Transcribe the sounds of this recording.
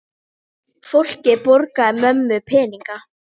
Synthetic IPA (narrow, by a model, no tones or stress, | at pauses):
fowl̥cɪpɔɾkaɛmœmːʏpʰɛːniŋka